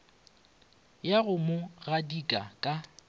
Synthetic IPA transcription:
jaɣʊmʊɣadikʼa̰kʼa

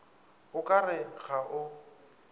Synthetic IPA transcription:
ʊkʼarɪɣaʔʊ

